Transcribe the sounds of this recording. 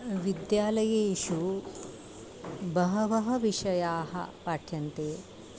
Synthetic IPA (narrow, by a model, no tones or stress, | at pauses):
ʋid̪jaːlɐjeːʃu | bɐɦɐʋɐɦɐʋiʂɐjaːɦɐ̰paːʈʰjɐnt̪eː